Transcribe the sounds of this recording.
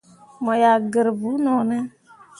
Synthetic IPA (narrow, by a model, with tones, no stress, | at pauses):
mɔ˨ja˨ɡə˨ɾbu˨˦nɔ˨nɛ˦